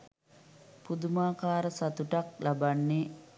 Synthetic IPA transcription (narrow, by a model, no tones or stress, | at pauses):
pud̪umaːkaːɾəsat̪uʈak̚labanːe